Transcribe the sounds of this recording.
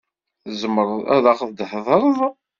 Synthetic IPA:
zəmːəɾˤæ̰ðaχðd̪ħðˤəɾˤðˤ

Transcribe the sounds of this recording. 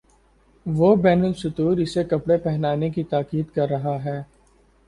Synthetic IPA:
ʋobɛːnəlʃʊt̪uːɾɪsekɐpɽepɛɦnaːnek̬it̪aːkiːd̪kɐɾːɐɦaɦɛː

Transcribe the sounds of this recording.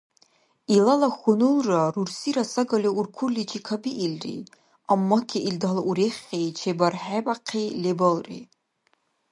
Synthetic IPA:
ilalaxʷʊnɨlrarursiɾasaɡaliurkʷʰʊrlit͡ʃʰʼikʰabiʔilrḭ | amːakʲʰiʔildalaʔuɾeχʲejt͡ʃʰebarħabʼaqʰejlebalˠrḭ

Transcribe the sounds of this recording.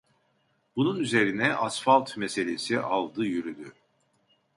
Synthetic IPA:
b̥ununyze̞ɾinɛʔasfalˠt̪mese̞lʲe̞siʔalˠd̪ɯjyɾyd̪y

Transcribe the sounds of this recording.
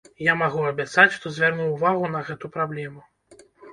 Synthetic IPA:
jamaɣuɐbʲjat̪sat͡sʲʂt̪ɔzʲvʲɛrnuːvaɣunɐɣɛt̪upɾablʲɛmu

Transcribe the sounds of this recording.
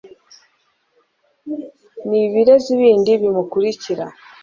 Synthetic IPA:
niβiɾe̞ziβiːndiβimukuɾiciɾa̰

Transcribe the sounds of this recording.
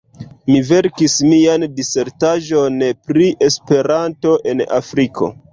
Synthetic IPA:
mive̞ɾkismiandise̞ɾtaʒo̞npɾiʔe̞spe̞ɾanto̞ʔe̞na̰fɾikʰo̞̰

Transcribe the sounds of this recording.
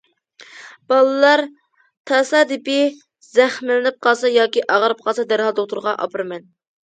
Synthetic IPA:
b̥ɑlˠɨlˠɑɾ | t̪ʰɑːsɑd̪ɪpɪ | zæχmɪlɪnɪp̚qɑlˠsɑjɑːkʲiʔɑʁəɾɨp̚qʰɑlˠsɑd̪æɾhɑlˠd̪oq̚t̪ʊɾʁɑʔɑ̰pʰɨɾmɛn

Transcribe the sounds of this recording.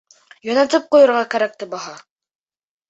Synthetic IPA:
jɒnɑt̪ɤp̚qujɤ̆ɾʁɑkæɾæk̚t̪ɘbɑɦɑ

